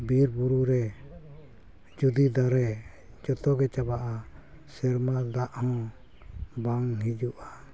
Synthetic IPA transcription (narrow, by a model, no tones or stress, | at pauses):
biɾbuɾuɾɛ | d͡ʒud̪id̪aɾɛ | d͡ʒɔt̪ɔɡɛt͡ʃabaʔa | sɛɾmad̪aʔhɔ̃ | baŋɦid͡ʒuʔa